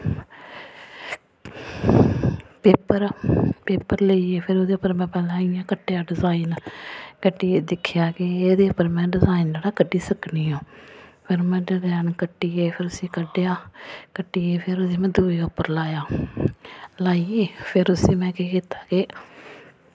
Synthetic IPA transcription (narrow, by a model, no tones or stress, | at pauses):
peːpəɾpeːpəɾləiːeːpʰɪɾoːd̪eːʊpːəɾmɛ̃ːpɛːlãːɪjãːkəʈːejaːɖɪzaːinkəʈːiːd̪ɪkʰːjaːkɪeːd̪eːʊpːəɾmɛ̃ːɖɪzaːiːnd͡ʒaːɽaːkəɖiːsəkniːɦõːpʰɪɾmɛ̃ːɖɪzɛːnkəʈːiːeːpʰɪɾʊsĩːkəɖejaːkəʈːiːeːpʰɪɾodeːmɛ̃ːd̪uːɾeːʊpːəɾlaːjaː | laːieːpʰɪɾʊsiːmɛ̃ːkiːkiːt̪aːkɪ